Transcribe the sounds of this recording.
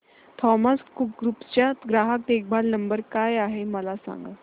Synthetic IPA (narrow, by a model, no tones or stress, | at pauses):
t̪ʰɔmaskupɡɾupt͡ɕjat̪ɡɾaɦak̚d̪ek̚bʱalnəmbəɾkajaɦeməlasa̰ŋɡə̰